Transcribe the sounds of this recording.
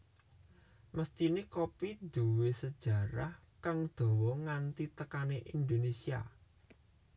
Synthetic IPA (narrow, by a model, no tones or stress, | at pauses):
məst̪inekopid̪̥uwesəd̥ʒ̥a̤ɾahkaŋd̪̥o̤wɔŋant̪it̪əkaneʔind̪onesia̰